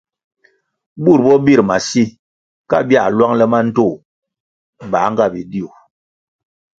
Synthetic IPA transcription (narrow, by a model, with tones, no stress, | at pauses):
bu˦˨ɾbɔ˦bi˦˨ɾma˨si˦ | ka̰˦˨bi˦a˦˨lwa˦ŋlɛ˦ma˦n̩˦to˦˨ | ba̰˨˦ŋ˦ɡa˦˨bi˨di˦u˨